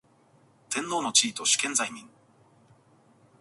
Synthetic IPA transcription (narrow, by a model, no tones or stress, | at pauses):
t̪ẽ̞nːo̞ːno̞t͡ɕiːt̪o̞ɕi̥kẽ̞nzajmʲĩŋ